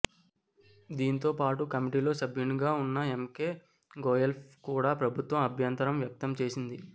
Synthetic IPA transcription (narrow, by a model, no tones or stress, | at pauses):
d̪iːnit̪̬o̞ːpaːʈukɐmiʈiːlo̞ːsɐbʱjuɳɡaːunːɐemke̞ː | ɡoːjelpkuːɽaːpɾɐbʱut̪ʋɐmɐbʱjɐnt̪ɐɾɐmʋjɐk̚t̪ɐmt͡ʃe̞ːsind̪i